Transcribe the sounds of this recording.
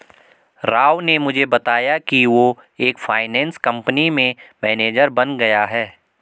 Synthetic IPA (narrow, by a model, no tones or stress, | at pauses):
ɾaːʋnemʊd͡ʒʱebɐt̪aːjakiʋo | eːkfʰaːɪnɛ̃ːnskɐ̃mpənimẽmɛːneːd͡ʒəɾbɐnɡɐjaɦɛː